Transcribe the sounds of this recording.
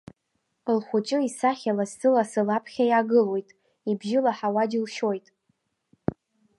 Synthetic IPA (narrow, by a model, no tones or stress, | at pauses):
lχʷʊt͡ʃʼɨisaχʲalassɨlasɨlapʰχʲajaɡɨlwo̞jtʼ | ibʒɪlaħawadilʃo̞jtʼ